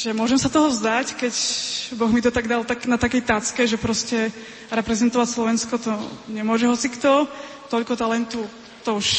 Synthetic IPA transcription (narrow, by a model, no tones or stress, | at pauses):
ʒ̥ɛmʊɔʒɛmsat̪ɔɦɔvzd̪ackɛcbɔɣmit̪ɔt̪aɡd̪alt̪aknat̪akɛjt̪at͡skɛʒɛpɾɔscɛ | ɾɛpɾɛzɛnt̪ɔʋacslɔʋɛnskɔt̪ɔɲɛmʊɔʒɛɦɔt͡sikt̪ɔ | t̪ɔʎkɔt̪alɛnt̪u | t̪ɔuʃ